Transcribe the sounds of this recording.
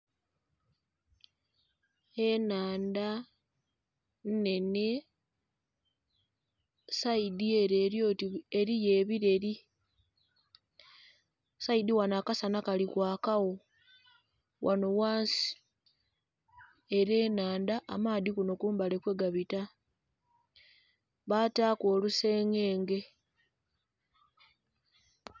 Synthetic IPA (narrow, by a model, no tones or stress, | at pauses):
enaːnda | nne̞ne̞ | saidie̞ɾeːɾjoːtieɾijeːβiɾeɾi | saidiwanaːkasanakalikwaːkaɣo̞ | wʔano̞waːnsi̥ | eɾe̞ːnaːndaʔːmaːdikuno̞kuːmbale̞kwe̞ɡaβita | βataːko̞ːluse̞ːŋe̞ːŋɡe̞